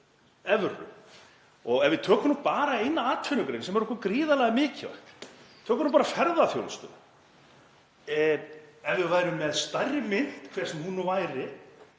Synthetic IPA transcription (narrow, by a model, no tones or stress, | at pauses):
ɛvrʏ̰ | ɔɣɛvɪt̪ʰœːkɔnːʏmpaːɾaejnːaaːt̪ʰfʏnʏkɾejnsɛmɛɾɔhkɔkɾiːðalaɣamɪːcʰɪva̰ht̪t̪ʰœːkʏnːmpaːɾafɛɾðafjo̰wlst̪ʏ̰ | ɛvvɪðvaːjɾʏmːɛðst̪ajrːɪmɪn̥t̪kʰvɛɾ̥smhunʏvajɾɪ